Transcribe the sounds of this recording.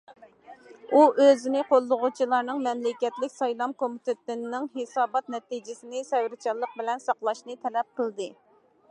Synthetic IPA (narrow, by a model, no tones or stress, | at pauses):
uʔøzɪnɪqʰolˠːʊʁʊt͡ʃʰilˠɑɾnɨŋmɛmlɪkʲɛt̪lɪkʲsɑjlˠɑmkomit̪ʰɪt̪ɪnːɪŋɦesɑːbɑt̪nɛt̪id͡ʒɪsɪnɪsɛwɾɪt͡ʃʰɑlˠːəq̚bɪlɛnsɑqlˠɑʃnɨt̪ʰɛlɛp̚qʰəlˠd̪ɨ